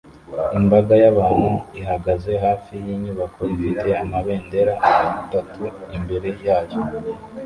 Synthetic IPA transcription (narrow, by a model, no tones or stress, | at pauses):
imbaɡajaβaːn̥huiɦaɡaze̞ɦaːfijiɲuβakʰo̞ifite̞amaβe̞ːnde̞ɾaʔajoβutatuimbe̞ɾe̞jaːjo